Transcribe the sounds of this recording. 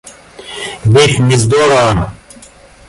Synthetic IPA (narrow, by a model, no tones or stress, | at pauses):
bit̪mizd̪oːɾa